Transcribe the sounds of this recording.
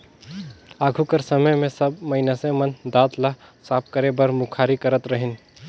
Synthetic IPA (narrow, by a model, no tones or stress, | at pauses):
aːɡʱukəɾsəməjmẽsəbməɪnasẽmənd̪aːt̪lasaːp̚kəɾebəɾmukʰaːɾikəɾət̪ɾəɦɪn